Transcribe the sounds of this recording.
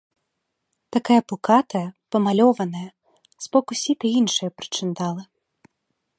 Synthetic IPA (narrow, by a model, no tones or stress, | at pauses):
t̪akajɐpukat̪ɐjɐpɐmalʲɔvɐnɐjɐ | z̥bɔkusʲit̪ɐinʂɨjɐpɾɨ̥t͡ʂɨnd̪alˠɨ